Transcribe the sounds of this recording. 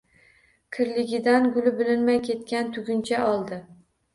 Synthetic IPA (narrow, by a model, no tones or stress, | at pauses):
kʲʰɪɾlɪɡʲɪd̪anɡʊlɪbɪlɪnmajkʲʰe̞t̪kʲant̪ʰʊɡʲʊnt͡ʃʰaɒlˠd̪ɪ